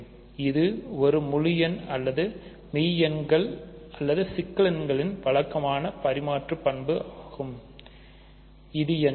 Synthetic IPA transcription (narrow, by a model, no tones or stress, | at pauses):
ɪðɯɔɾɯmʊɻɪjɐnɐlːɐðɯ | mɛːjɐnɡɐɭɐlːɐðɯsɪkːɐɭɐnɡɐɭɪnʋɐɭɐkːɐmaːnɐpɐɾɪmaːʈrɯpːɐɳbɯaːɣɯm | ɪðɪjɛn